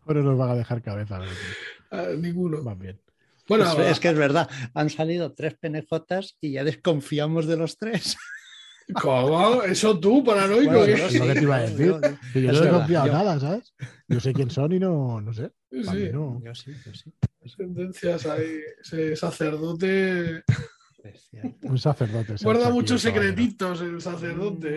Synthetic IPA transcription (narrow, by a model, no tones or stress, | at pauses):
ononozβaɣaðe̞xaɾkaβ̞e̞θalae | nĩŋɡunobambjen | bwenoeskeezβe̞ɾð̞aansalið̞o̞t̪ɾe̞spe̞nexo̞t̪asiʝaðe̞sko̞ɱfiamo̞zðe̞lo̞st̪ɾe̞s | komoesot̪̬upaɾanojkoeloket̪iβaðeθiɾoiʝoðeskofiaonaðas̬aβesjosekje̞nso̞ninonos̬e | sisinoosiosit̪end̪en̟θjasaisesaθe̞ɾðot̪̬e | pest̪jaunsaθeɾðot̪eskweɾðamut͡ʃos̬ːekɾet̪it̪oselsaθeɾðot̪e